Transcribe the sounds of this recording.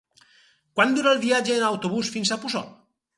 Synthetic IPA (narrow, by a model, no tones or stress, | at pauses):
kwand̪uɾalˠdiad͡ʒeːnawt̪oβusfinsapusɔ̰t̪